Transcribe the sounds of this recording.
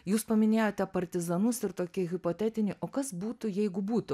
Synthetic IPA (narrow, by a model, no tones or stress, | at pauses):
juːspɐmʲɪnʲeːjoːt̪ʲɛpɐɾʲt̪ʲɪzɐnʊsɪɾt̪oːkʲɪɣʲɪpoːt̪ʲæːt̪ʲɪnʲɪːʔoːkɐsbuːt̪ʊjɛɪɡʊbuːt̪ʊ